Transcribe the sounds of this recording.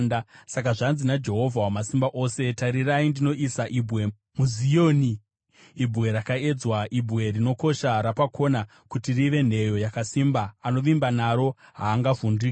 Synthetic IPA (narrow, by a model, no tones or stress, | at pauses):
nasak̬aʐanzinad͡ʒe̞ɦo̞vʱawamasimbaʔo̞se̞taɾiraindino̞ʔisaʔibwe̞ | muzijoːniː | bʱɣe̞ɾakae̞d͡zwaʔibʱwe̞rino̞ko̞ʃaɾapako̞na | kutiriʋe̞n̤e̞jo̞jakasimbaːno̞ʋimbanaɾo̞ɦaːŋɡavundik